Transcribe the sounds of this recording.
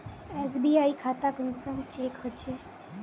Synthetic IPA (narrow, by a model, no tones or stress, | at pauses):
es̬biːaikʰat̪akənsəŋt͡ʃekhət͡ʃe